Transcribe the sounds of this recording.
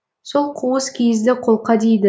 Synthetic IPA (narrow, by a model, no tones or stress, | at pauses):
solˠqʰuwəskʲʰejɪzd̪ɪqʰo̞lˠqɑd̪ejd̪ɪ